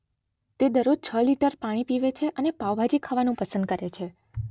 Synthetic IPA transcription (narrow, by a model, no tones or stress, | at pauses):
t̪ed̪əɾod͡ʒ̚t͡ʃʰəliʈəɾpaɽ̃ipiʋet͡ʃʰeʔənepaʋbʱad͡ʒikʰaʋanũpəsənd̪̚kəɾet͡ʃʰe